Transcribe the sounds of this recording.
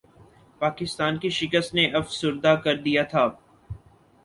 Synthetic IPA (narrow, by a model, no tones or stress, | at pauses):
paːkɪst̪aːnkiʃɪkəst̪neʔɐfsʊɾd̪akɐɾd̪ijat̪ʰaː